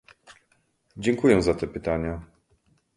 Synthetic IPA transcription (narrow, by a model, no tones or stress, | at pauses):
d͡ʑɛŋkujɛzat̪ɛpɘt̪aɲa